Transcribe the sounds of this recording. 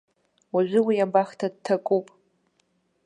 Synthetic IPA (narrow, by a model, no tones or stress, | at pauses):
aʒᶣʷɪwijabaχtʰad̚tʰakʼupʼ